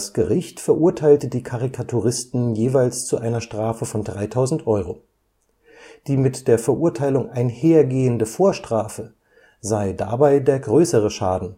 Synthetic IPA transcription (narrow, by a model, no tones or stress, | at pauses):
sɡ̥əʁɪçtfɛɐʔuɐtʰaɪltədiːkʰaʁikʰatʰuʁɪstn̩jeːvaɪlst͡suʔaɪnɐʃtʁ̥aːfəfɔndʁaɪtʰaʊzn̩tʔɔʏʁo | d̥iːmɪtd̥eːɐfɛɐʔuɐtʰaɪlʊŋʔaɪnheːɐɡeːəndəfoːɐʃtʁ̥aːfə | zaɪda̰baɪdeːɐɡʁøːsəʁəʃaːdn̩